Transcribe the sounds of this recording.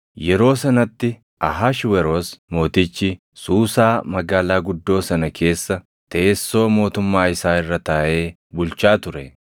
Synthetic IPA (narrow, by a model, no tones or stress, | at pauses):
jɛɾo̞ːsɐnɐt̪ːɪ | ʔɐɦaʃwɛɾo̞ːsmo̞ːt̪ɪt͡ʃːɪ | suːsaːmɐɡaːlaːɡʊd̪ːo̞ːsɐnɐkʰe̞ːsːɐ | t̪eːsːo̞ːmo̞ːt̪ʊmːaːɪsaːɪrːɐt̪ɐːʔe̞ː | bʊlt͡ʃaːt̪ʊɾɛ